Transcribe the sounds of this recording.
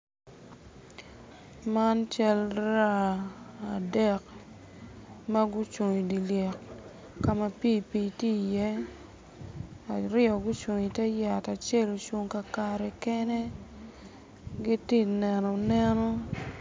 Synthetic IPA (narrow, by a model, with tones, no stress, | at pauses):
ma˦nt͡ʃa˦lɾa˦a˨dɛ˨k | ma˦ɡʊ˦t͡ʃo˨ɲi˨di˨le˨k | ka˦ma˦pi˦pi˨ti˦jɛ˦ | a˨ɾɪ˦ɔ˨ɡʊ˦t͡ʃo˨ɲi˨tɛ˦ja˨ta˨t͡ʃe˦˨lo˨t͡ʃo˦ŋka˨ka˨ɾɛ˨kɛ˦ne˦ | ɡɪ˦ti˦nɛ˨nɔ˨nɛ˦nɔ˦